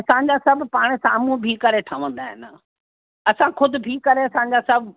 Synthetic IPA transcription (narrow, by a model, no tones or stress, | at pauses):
ɐsãɲ̆d͡ʑasɐbʊpaːɽ̃̆saːmũbʱikɐɾeʈʰaʋə̃nd̪aːɦɪ̰n | ɐsãkʰʊd̪ʱʊ̆bʱikɐɾeɐsãɲ̆d͡ʑasɐbʱ